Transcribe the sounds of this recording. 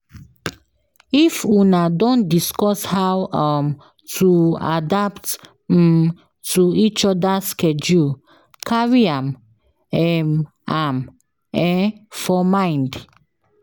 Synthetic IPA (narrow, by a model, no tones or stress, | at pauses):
ifunadɔ̃ndiskɔshawam | tʰua̰dapt̩ | tuit͡ʃɔdaskɛd͡ʒu | kʰaɹiãm | ɛm | am | ɛ̃nfɔmãɪ̃nd